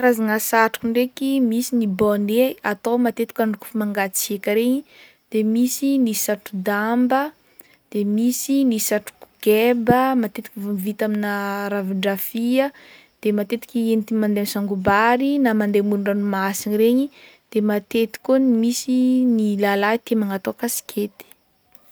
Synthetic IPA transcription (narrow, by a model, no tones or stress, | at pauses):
razaŋasaʈ͡ʂu̥kuɳɖ͡ʐekimisiniboneat̪owmat̪et̪i̥kaɳɖ͡ʐuku̥fumaŋɡat͡siekəɾeɲi | d̪̥emisinisaʈ͡ʂud̪ambə | d̪̥emisinisaʈ͡ʂu̥ku̥ɡebəmat̪et̪ikivuvit̪aminaɾaviɳɖ͡ʐafiə | d̪̥emat̪et̪i̥kienit̪imand̪emsaŋɡubaɾinamand̪emuɾuɳanumasiɲiɾeɲid̪̥emat̪et̪i̥kunimisinilalait̪emaŋat̪okasi̥kʰʲet̪i̥